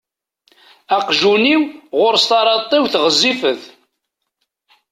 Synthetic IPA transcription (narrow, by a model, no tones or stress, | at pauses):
æqʒuniwʁʊɾst̪ɑɾˤɑt̪ˤːewθʁəzːifəθ